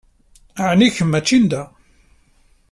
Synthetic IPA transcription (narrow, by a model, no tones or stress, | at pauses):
ʕniçəmːæt͡ʃːind̪æ